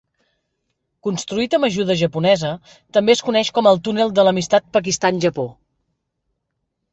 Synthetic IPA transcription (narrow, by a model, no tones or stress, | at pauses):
kunst̪ɾuit̪əməʒuðəʒəpunɛzə | t̪əmbeəskunɛʃkɔməlˠt̪unelˠd̪ələmist̪at̪̚pək̬ist̪anʲʒəpo